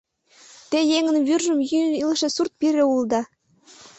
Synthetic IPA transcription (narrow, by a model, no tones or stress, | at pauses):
t̪ejeŋɘ̆nβyrʒɘ̆mjynilˠʃĕsurt̪̚pʲiɾʲeulˠd̪ɑ